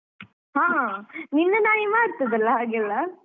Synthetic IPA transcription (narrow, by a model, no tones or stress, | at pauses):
ɦãːnɪnːɐnaːjɪmaːɪɾɯt̪ːɐðɐlːaaːɡlːaː